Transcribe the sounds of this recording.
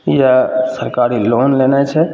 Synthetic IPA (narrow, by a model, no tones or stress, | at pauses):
jasəɾkaɾilonlenat͡ʃʰɛ